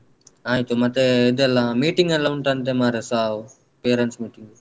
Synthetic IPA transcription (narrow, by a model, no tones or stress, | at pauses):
aːjit̪omɐt̪ːeed̪elːamiːʈiŋɡɛlːaːuɳʈɐɳʈ̬emaːɾesaːw | peːɾeɳsmiːʈiŋɡ